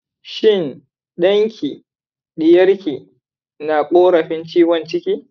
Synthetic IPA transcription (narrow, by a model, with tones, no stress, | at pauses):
ʃɪ˦˨n | ɗɐ˦ŋkʲʰiː˨ | ɗɪ˨jɐ˦ɾkʲiː˨ | naː˨kʷʼoː˦ɾɐ˨ɸɪ˦nt͡ʃiː˦wɔ˨nt͡ʃɪ˦kʲiː˦